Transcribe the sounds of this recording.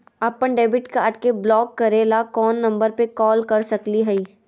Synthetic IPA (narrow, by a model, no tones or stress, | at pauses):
apːəɳɖeːbɪʈkaːʈkeblɔːkːɐɾeːlakɔːnːɐ̃mbəɾpekɔːlkɐɾsɐkliɦɛiː